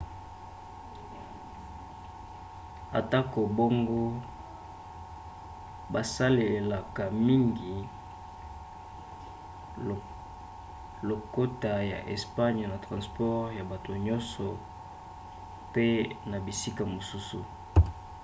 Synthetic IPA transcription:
a̰˨ta˦ko˨bo˦ŋɡo˦ | ba˨sa˦le˨la˨ka˨mi˦ŋɡi˨ | lo˨ko˦ta˨ja̰˨ʔḛ˨spa˦ɲ˨na˨tʁã˨spɔ˦ʁja˨ba˨to˨ɲɔ˦nsɔ˨ | pe˦na˨bi˨si˦ka˨mo˨su˦sṵ˨

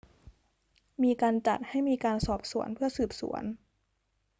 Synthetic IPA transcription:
miː˧kaː˧nt͡ɕa˨˩t̪̚ha˥˩jmiː˧kaː˧nsɔː˨˩p̚su˩˦ənpʰɯ˥˩ɐsɯː˨˩p̚sṵ˩˦ɐən

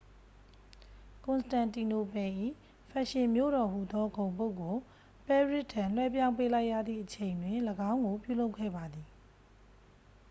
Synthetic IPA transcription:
kʊ̃˨nsə̥tã˨nti˨no˨pɛ̃˨ʔḭ˦˨ | pʰɛ˨ʃɪ̃˨mjo̰˦˨ɾɔ˨mu˨d̪ɔ˦ɡõ˨ʊ̃po˦ʊkːo˨ | pɛ˦ɹɪ˦ʔtʰːã˨l̥wɛ˦p̬jã˦ʊ̃mpe˦la˦ɪʔjä̰˦˨d̪ðḭ˦˨ʔət͡ɕʰẽ˨ɪ̃ndwɪ̃˨ləɡã˦ʊ̃ŋɡo˨pjṵ˦˨lo˦ʊkʰːɛ̰˦˨ba˨d̪i˨

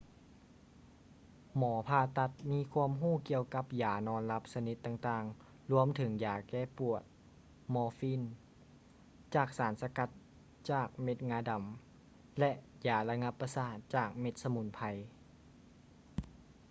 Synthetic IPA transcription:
mɔː˩˦pʰaː˧t̪a˧t̪̚miː˧˥˨kʰu˧˥əmɦuː˥˩˨ki˧əwka˧˥p̚jaː˨˩nɔː˧˥nla˧˥p̚sa˧ni˧˦t̪ːaː˧ŋt̪aː˧ŋ | lu˧˥˧əmt̪ʰɯ˩˦ŋjaː˨˩kɛː˧˩pu˨˩ət̪̚ | mɔː˧˦fiː˧˥˨n | t͡ɕaː˨˩k̚saː˨˩˦nsa˧ka˧˥t̪̚ | t͡ɕaː˨˩k̚me˧˥t̪̚ŋaː˧˥da˨˩˦m | lɛ˧ʔjaː˩la˧ŋa˧˥pːa˧saː˧˩t̪̚t͡ɕaː˨˩k̚me˧t̪̚sa˧mu˧˦npʰa˧j

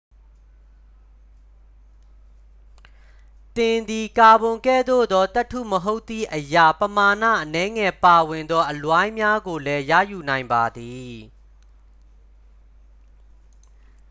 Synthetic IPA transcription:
t̪ɪ̃˨nd̪i˨ka˨bʊ̃˨ŋkɛ̰˦˨d̪o̰˦˨d̪ɔ˦t̪ɛ˦ʔtʰːṵ˦˨məɦo˦ʊt̪ːḭ˦˨ʔəja˨pəma˨nä̰˦˨ʔənɛ˨˦ŋɛ˨pa˨wɪ̃˨nd̪ɔ˦ʔəlwã˦ɪ̃mja˦ɡo˨lɛ˦jä̰˦˨ju˨nã˨ɪ̃mba˨d̪i˨

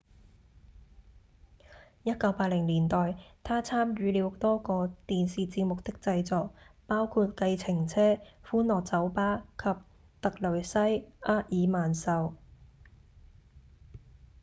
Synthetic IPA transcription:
jɐ˥t̚kɐ˨˧wpaː˧t̚lɪ˨˩ŋliː˨˩nt̪ɔː˨jt̪ʰaː˥t͡sʰaː˥mjyː˨˧liː˨˧w̚t̪ɔː˥kɔː˧t̪iː˨nsiː˨t͡siː˧p̚mʊ˨k̚t̪ɪ˥k̚t͡sɐ˧jt͡sɔː˨k̚paː˥wkʰuː˧t̚kɐ˧jt͡sʰɪ˨˩ŋt͡sʰɛː˥fuː˥nlɔː˨k̚t͡sɐ˨˥wpaː˥kʰɐ˨p̚ | t̪ɐ˨k̚lɵ˨˩ɥsɐ˥jʔaː˥jiː˨˧maː˨˩nsɐ˨˧w

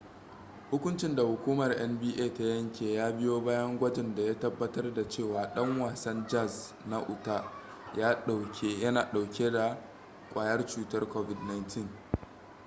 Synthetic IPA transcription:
hʊ˦kʷʊ˦nt͡ʃɪ˦nda˨hʊ˨kʷuː˦mɐ˨rʔɛ˦mbiː˦ʔeː˦˨ta˦jɐ˦ŋkʲeː˨jaː˦bɪ˦joː˦baː˦jɐ˦ŋɡʷɐ˦d͡ʒɪ˨nda˨ja˦tɐ˦bːɐ˦tɐ˦rda˨t͡ʃeː˦˨waː˨ɗɐ˦ŋwaː˨sɐ˦nd͡ʒɐ˦˨z | na˦ʔʊ˨ta˦ | jaː˦ɗa˨kʲe˦jɐ˦naː˨ɗa˨wkʲe˦da˨ | kʷʼaː˨jɐ˦rt͡ʃuː˦tɐ˦rkʷoː˦vɪ˨dna˦jntʰɪ˦ŋ

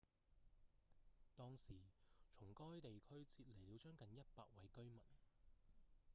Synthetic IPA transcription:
t̪ɔː˥ŋsiː˨˩t͡ʃʰʊ˨˩ŋkɔː˥jt̪e˨jkʰɵ˥ɥt͡sʰiː˧t̚le˨˩jliː˨˧wt͡ʃœː˥ŋkɐ˨njɐ˥t̚pa̰ː˧t̚wɐ˨˧jkɵ˥ɥmɐ˨˩n

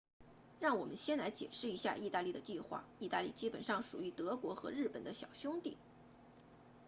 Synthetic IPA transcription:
ɻɑ˥˩ŋwɔ˨˩mə˦nɕjɛ˥nla˧˥ɪt͡ɕjɛ̰˨˩ʂɻ̩˥˩i˧˥ɕja̰˥˧ʔi˥˧t̪a˥˧li˥˩d̪ə˩t͡ɕi˥˧xwa̰˥˩i˥˧t̪a˥˧lḭ˥˩t͡ɕi˥pə˨˩nʂɑ˥˩ŋʂu˨˩y˧˥t̪ɤ˧˥kwɔ˧˥xɤ˧˥ɻɻ̩˥˩pə˨˩nd̪ə˦ɕjɑ̰˨˩ʊɕjʊ˥ŋt̪ḭ˥˩

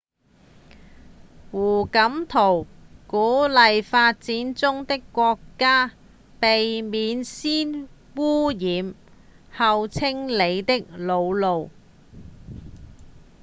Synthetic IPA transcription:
wuː˨˩kɐ˨˥mt̪ʰo˨˩wkuː˨˥lɐ˨jfaː˧t̚t͡siː˨˥nt͡sʊ˥ŋt̪ɪ˥kːʷɔː˧kːaː˥ | pe˨jmiː˨˧nsiː˥n | wuː˥jiː˨˧m | hɐ˨˧wt͡sʰɪ˥ŋle˨˧jt̪ɪ˥k̚lo˨˧wlo˨w

